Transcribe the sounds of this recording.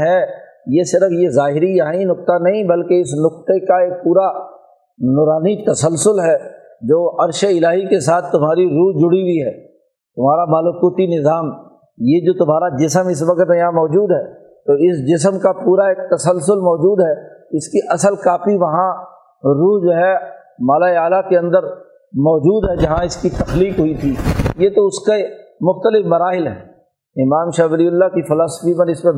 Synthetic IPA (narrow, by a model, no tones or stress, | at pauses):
ɦɛ | jesɪɾəfjezaːɦɪɾijɐɦãinʊk̚t̪anɐɦĩbɐlkeɪsnʊkt̪ekaeːk̚puːɾa | nɔːɾaːnit̪ɐsəlsʊlɦɛː | d͡ʒoːɐɾʃəɪlaːɦikesaːt̪ʰt̪ːʊmɦaːɾiɾuːd͡ʒʊɽiwiɦɛː | t̪ʊmɦaːɾamaːlʊkuːt̪inɪzaːm | jed͡ʒoːt̪ʊmaːɾad͡ʒɪsəmɪs̬ʋɐkət̪jãmɔːd͡ʒuːd̪ɦɛː | t̪oɪsd͡ʒɪs̬əmkapuːɾaeːk̚t̪ɐsəlsʊlmɔːd͡ʒuːd̪ɦɛːɪskiʔɐsəlkaːfiʋɐɦã | ɾuːɦd͡ʒoːɦɛ | maːlaːeaːlakeɐ̃nd̪əɾ | mɔːd͡ʒuːd̪ɦɛd͡ʒɐɦãɪskit̪ɐxliːkɦʊit̪ʰiːjet̪oʊskemʊxt̪əlɪfmɐɾaːɦɪlɦɛ̰ː | ɪmaːmʃaʋɐliʊlːakifɪlaːsə̥fipɐnɪsmẽ